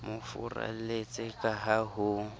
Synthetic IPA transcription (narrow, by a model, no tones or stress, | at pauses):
mʊfʊra̰let͡sʼɪkʼaɦaɦʊ